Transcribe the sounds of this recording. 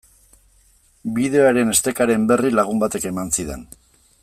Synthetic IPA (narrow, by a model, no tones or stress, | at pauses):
biðe̞oaɾe̞ne̞st̪e̞kaɾe̞mbe̞rilaɣ̞umbat̪e̞ke̞mansiðe̞̰n